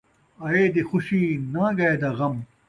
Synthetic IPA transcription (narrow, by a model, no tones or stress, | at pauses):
ɐeːd̪exuɕiːnãːɡɐed̪ɐɣɐm